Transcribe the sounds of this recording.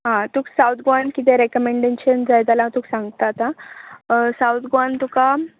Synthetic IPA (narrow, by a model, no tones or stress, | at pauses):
ɦãt̪uːksawt̪̚ʰɡoankit̪̬ẽɾekəmeɳɖeɕənd͡zajt̪alat̪uːksãŋɡt̪at̪a | sawt̪ʰɡoant̪uka